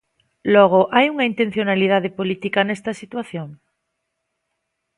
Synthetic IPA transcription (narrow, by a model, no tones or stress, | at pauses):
lɔɣ̞oʔajuŋaint̪en̟θjonalið̞að̞epolit̪ikanest̪asit̪waθjoŋ